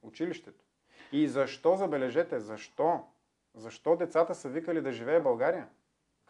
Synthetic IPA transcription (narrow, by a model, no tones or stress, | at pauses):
ʊt͡ʃiliʃt̪ɛt̪o̥ | izɐʃt̪ɔzɐbɛlɛʒɛt̪ɛzɐʃt̪ɔ | zɐʃt̪ɔd̪ɛt̪sat̪əsəvikəlid̪ɐʒivɛːbɐlˠɡaɾijə